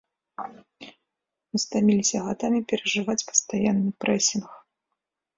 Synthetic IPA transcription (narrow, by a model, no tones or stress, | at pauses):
mɨst̪amʲilʲisʲɐɣad̪amʲipʲɛɾɐʐɨvat͡sʲpɐ̥st̪ajanːɨpɾɛsʲinx